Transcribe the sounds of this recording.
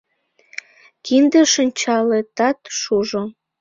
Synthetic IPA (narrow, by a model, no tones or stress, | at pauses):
kind̪eʃənʲt͡ɕɑlet̪ɑt̪ʃuʒo